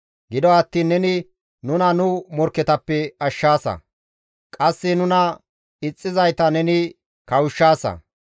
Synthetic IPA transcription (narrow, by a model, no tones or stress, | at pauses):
ɡɪd̪ɔɐt̪ːiːnːɛnɪ | nʊnɐnʊmɔɾkːɛt̪ɐpːɛɐʃːaːsɐ̰ | kʼɐsːɪnʊnɐ | ɪt͡sʼːɪzɐjt̪ɐnɛnɪ | kɐwʊʃːaːsɐ̰